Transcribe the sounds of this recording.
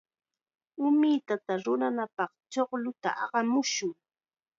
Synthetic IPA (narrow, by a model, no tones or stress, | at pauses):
ʊmɪt̪at̪aɾʊnanapɑχt͡ʃoχlʊt̪a̰ʔɑɢɑmʊʃʊŋ